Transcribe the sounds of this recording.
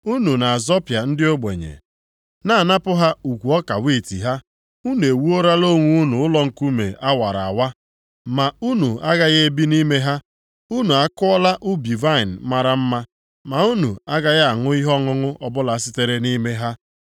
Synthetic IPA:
u˦nu˨na˨a˨zɔ˦pja˨n̩˦dɪ˦o˦ɡ͡bḛ˨ɲḛ˨ | na˨˦˨na˦pʊ˦ɦa˦u˨kʷu˨ɔ˦ka˨wi˦˨tḭ˨ɦa˦ | u˦nu˨e˨wu˦o˦ɾa˦lo˦ŋʷu˦u˦nu˨ʊ˦lɔ˦ŋ̩˨ku˦mḛ˨ʔa˦wa˨ɾa˨a˨wa˦ | ma˨u˦nu˨a˦ɡa˦ɣe˦bi˦ni˦me˦ɦa˦ | u˦nu˨a˦kʊ˦ɔ˦la˦ʔu˦bi˨va˦˨n̩˨ma˦ɾa˦m̩˦ma˦ | ma˨u˦nu˨a˦ɡa˦ɣa˨ŋʊ˦i˦ɦɔ˦ŋʊ˦ŋʊ˦ʔɔ˦bʊ˦la˨sɪ˦te˦ɾe˦ni˦me˦ɦa˦

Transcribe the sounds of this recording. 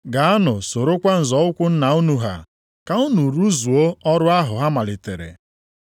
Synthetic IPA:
ɡa˨a˦nʊ˨so˨ɾo˦kʷa˦n̩˨zɔ˨ʊ˦kʷʊ˦n̩˦na˨u˦nu˨ɦa̰˨ | ka˨u˦nu˨ɾu˦zu˨o˦ɔ˦ɾʊ˦a˦ɦʊ˨ɦa˦ma˨lɪ˨tḛ˨ɾḛ˨

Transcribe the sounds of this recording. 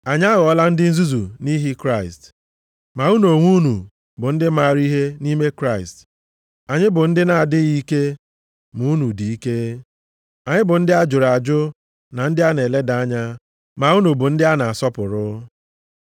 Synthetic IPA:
a˨ɲ˦a˦ɣɔ˦la˦n̩˦dɪ˦n̩˦zu˦zu˨ni˦ɦi˦kɾa˦˨ɪ˨st | ma˨u˦no˨ŋʷu˦nu˨ | bʊ˨n̩˦dɪ˦ma˦˨ɾi˦ɦe˦ni˦me˦kɾa˦ɪ˨st | a˨ɲɪ˦bʊ˨n̩˦dɪ˦na˨a˨dɪ˦ɣi˦ke˦ | mu˨˦nu˨di˨i˦ke˦ | a˨ɲɪ˦bʊ˨n̩˦dɪ˦a˦d͡ʒʊ˨ɾa˨d͡ʒʊ˦ | na˨n̩˦dɪ˦a˦ne˨le˦da˨˦ɲa˦ | ma˨u˦nu˨bʊ˨n̩˦dɪ˦a˦na˨a˨sɔ˦pʊ˨ɾʊ˦

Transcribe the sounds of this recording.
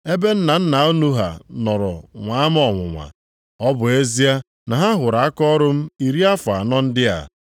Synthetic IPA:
e˦be˦n̩˦na˨n̩˦na˨o˦nu˦ɦa̰˨nɔ˨ɾɔ̰˨ŋʷa˨˦a˦m˦ɔ˨ŋʷʊ̰˨ŋʷa̰˨ | ɔ˦bʊ˨e˦zi˦a˦ | na˨ɦa˦ɦʊ˨ɾa˨a˦kɔ˦ɾʊ˦m̩˦i˨ɾi˦a˦fa˨nɔ˦n̩˦dɪ˦a̰˨

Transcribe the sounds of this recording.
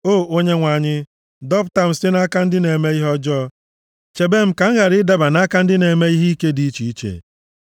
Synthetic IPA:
oː˦˨o˦ɲe˦ŋʷa˨ɲɪ˦ | dɔ˦pʊ˨ta˨m̩˨sɪ˦na˦ka˦n̩˦dɪ˦ne˨me˦i˦ɦɔ˦d͡ʒɔ˦˨ | t͡ʃe˨be˦m̩˦ka˨ŋ̩˦ɣa˨ɾɪ˦da˨ba˨na˦ka˦n̩˦dɪ˦ne˨me˦i˦ɦi˦i˦ke˦di˦i˦t͡ʃi˨i˦t͡ʃḛ˨

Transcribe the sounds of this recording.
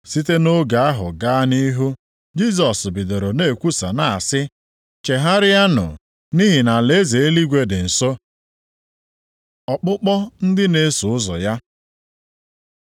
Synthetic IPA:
si˦te˦no˦ɡa˨a˦ɦʊ̰˨ɡa˦ni˦ɦu˦ | d͡ʒi˦sɔ˨sbɪ˨do˨ɾo˨ne˦˨kʷu˦sa̰˨na˨a˨sɪ˦ | t͡ʃe˨ɦa˦ɾɪ˦ja˦nʊ̰˨ | ni˦ɦɪ˨na˨le˨˦ze˨e˦li˦ɡʷe˦dɪ˨n̩˨so˦ | ɔ˨k͡pʊ˦k͡pɔ˦n̩˦dɪ˦ne˦sʊ˨ʊ˦zɔ̰˨ja˦

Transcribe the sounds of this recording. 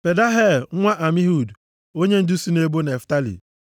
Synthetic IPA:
pe˨da˦ɦe˦˨l̩˦ŋʷa˦ʔa˨mi˦ɦu˨d | o˦ɲe˦n̩˦du˦si˦ne˦bo˦ne˨fta˦lḭ˨

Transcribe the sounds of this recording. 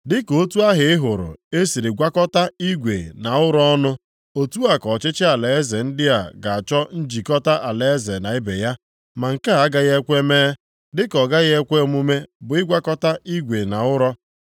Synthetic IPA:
dɪ˦ko˦tu˦a˦ɦɪ˨ɪ˦ɦʊ˨ɾʊ̰˨e˦si˨ɾi˨ɡʷa˦kɔ˦ta˦i˦ɡʷḛ˨na˨ʊ˦ɾɔ˦ɔ˦nʊ˦ | o˨tu˦a˨kɔ˨t͡ʃɪ˦t͡ʃɪ˦a˨le˨e˦ze˨n̩˦dɪ˦a˨ɡa˨a˨t͡ʃɔ˦n̩˦d͡ʒi˨kɔ˦ta˦ʔa˨le˨e˦ze˨na˨ɪ˦be˨ja˦ | ma˨ŋ̩˨ka˦a˦ɡa˦ɣe˦kʷe˦meː˦ | dɪ˦kɔ˨ɡa˦ɣe˦kʷe˦mu˦me˦bʊ˨ɪ˦ɡʷa˦kɔ˦ta˦i˦ɡʷe˨na˨ʊ˦ɾɔ˦

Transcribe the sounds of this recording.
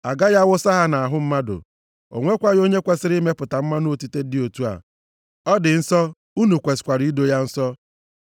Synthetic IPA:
a˨ɡa˦ja˦wʊ˦sa˦ɦa˦na˨a˨ɦʊ˦m̩˦ma˦dʊ̰˨ | o̰˨ŋʷe˦kʷa˦jo˦ɲe˦kʷa˦sɪ˦ɾi˦me˦pʊ˨ta˨m̩˦ma˦no˦˨ti˦te˦dɪ˦o˨tu˦a̰˨ | ɔ˦dɪ˨n̩˦sɔ˦ | u˦nu˨kʷe˨skʷa˨ɾi˨˦i˦do˦ja˦n̩˦sɔ˦

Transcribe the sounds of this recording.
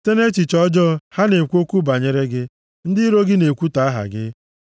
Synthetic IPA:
te˦ne˦t͡ʃi˨t͡ʃɔ˦d͡ʒɔ˦ha˦ne˨kʷo˦kʷu˦ba˨ɲe˨ɾe˦ɡɪ˦ | n̩˦dɪ˦ɾo˦ɡɪ˦ne˨kʷu˦ta˨a˦ɦa̰˨ɡɪ̰˦

